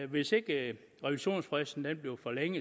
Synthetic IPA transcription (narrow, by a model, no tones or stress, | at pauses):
ʋe̝se̝ɡ̥ə | ʁɛʋiɕo̝̰ːnsfʁɛsn̩d̥enb̥leʊfɒleŋ̰ə